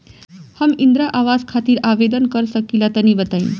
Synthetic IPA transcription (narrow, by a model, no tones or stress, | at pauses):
həmind̪ɾaʔaʋazkʰat̪iːɾaʋed̪ənkəɾsəkilat̪ənibət̪ain